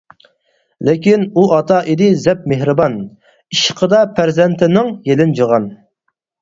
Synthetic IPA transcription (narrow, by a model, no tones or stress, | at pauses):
lɪkʲinuɑt̪ʰɑʔid̪ɪzɛp̚meɦɾɨbɑn | iʃqʰəd̪ɑpʰæɾzɛnt̪ʰɪnɪŋjelɪnd͡ʒəʁɑn